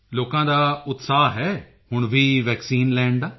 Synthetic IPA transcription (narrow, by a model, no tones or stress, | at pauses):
loːkãːd̪aːʊt̪saːɦɛː | hʊɳʋʱiːʋɛːksiːnlɛːɳd̪aː